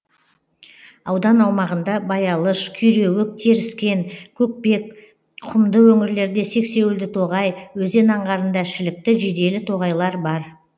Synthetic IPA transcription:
ɑwd̪ɑnɑwmɑʁənd̪ɑbɑjɑlˠəʃkʲʰʏjɾe̞wɪk̚t̪ʰeɾɪskʲe̞ŋkʲʰɵk̚pe̞k̚ | qʰʊmd̪əwɵŋɪɾle̞ɾd̪e̞se̞kse̞wɪld̪ɪt̪ʰo̞ʁɑjwɵze̞nɑɴʁɑɾənd̪ɑʃɪlɪk̚t̪ɪʒed̪e̞lɪt̪ʰo̞ʁɑjlˠɑɾbɑɾ

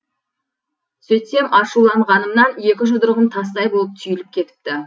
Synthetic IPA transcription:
sɵjt̪e̞mʔɑʃulˠɑɴʁɑnəmnɑnje̞kʲɪʒʊd̪əɾʁəmt̪ʰɑst̪ɑjbo̞lˠəp̚t̪ʰʏjɪlɪp̚kʲʰe̞t̪ɪ̥p̚t̪ɪ

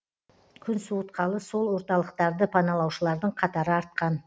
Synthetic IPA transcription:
kʲʰʏnsuwət̪qɑlˠəso̞lˠwo̞ɾt̪ɑlˠəqt̪ɑɾd̪əpʰɑnɑlˠɑwʃəlˠɑɾd̪əɴqʰɑt̪ɑɾəɑɾt̪̚qɑn

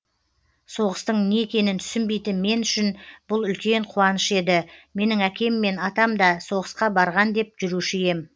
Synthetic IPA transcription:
so̞ʁəst̪əɴneekʲe̞nɪnt̪ʰʏ̥sɪnbe̞jt̪ɪnme̞nʏʃɪnb̥ʊlˠʏlkʲe̞ɴqʰuwɑnəʃe̞d̪ɪme̞nɪŋækʲe̞mːe̞nɑt̪ɑmd̪ɑso̞ʁəsqɑbɑɾʁɑnd̪e̞p̚ʒ̥ʏɾuʃɪje̞m

